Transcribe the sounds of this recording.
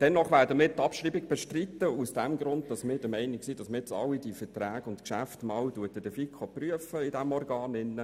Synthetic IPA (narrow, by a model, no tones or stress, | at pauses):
d̥ɛnːɔχʋæːɾdəmɪːɾtɑpʃɾiːbɪɡ̚b̥eʃtrit̪ːəusd̥æmɡɾʊnd̚dɑsmɪːɾdəmɛɪnɪksiːd̥ɑsməjɛt͡sɑ̰lːidifətræːɡ̥ʊntkʃæftmɑːwtuətəd̥əfikʰχopryəfəidæmɔrɡɑːnɪnːə